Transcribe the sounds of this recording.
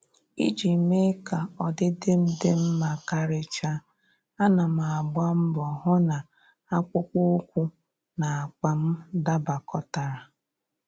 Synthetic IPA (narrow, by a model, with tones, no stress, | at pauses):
ḭ˦d͡ʒi˨me˦ka˨ɔ˨dɪ˦dɪ˦m̩˦dɪ˦m̩˦ma˨ka˦ɾɪ˦t͡ʃa˦ | a˦na˨ma˨a˨ɡ͡ba˦m̩˦bɔ˨ɦʊ˦na˨ | a˦kʷʊ˦kʷʊ˦kʷu˦ | na˨a˨k͡pa˨m̩˦da˦ba˨kɔ˦ta˨ɾa˨